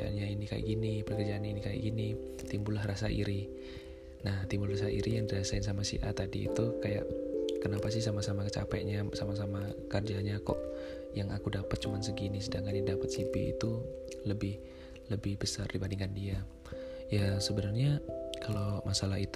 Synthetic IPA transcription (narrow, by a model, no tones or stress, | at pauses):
aʔa̰nɲainika̰ja̰ʔɡinipərkərd͡ʒaaninikaja̰ʔɡini | t̪imbulahrasaʔḭɾi | naht̪imbulrasaʔḭɾijaŋdiɾasaɪnsamasḭʔa̰t̪adḭːt̪ukaja̰ʔkənapasɪhsamasamakət͡ʃa̰pa̰ʔɲasamasamakərd͡ʒanɲakɔ̰ʔ | jaŋʔakudapət̪̚t͡ʃumansəɡinisədaŋkaɲadapat̪̚sipḭḭt̪uləbɪh | ləbɪhbəsa̰rdibandiŋkandia | jasəbənarɲakalowmasalaɦit̪